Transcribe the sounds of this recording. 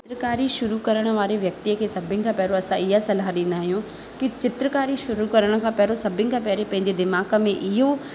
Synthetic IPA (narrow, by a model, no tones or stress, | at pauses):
ɪt̪ɾəkaːɾiʃʊɾukɐɾəɽ̃ə̆ʋaːɾeʋjɐkt̪iəkʰeːsɐbʱɪ̃nɪ̆kʰãːpɛɦɾoɐsãɪɦasɐlaɗĩːnd̪aːɦijũ | kit͡ɕɪt̪ɾəkaːɾiʃʊɾukɐɾəɽ̃ə̆kʰãːpɐɦɾosɐbʱɪnɪkʰãpɛɦɾepɐ̃ɦɪ̃ɲd͡ʑed̪ɪmaːkə̆mẽʔɪɦo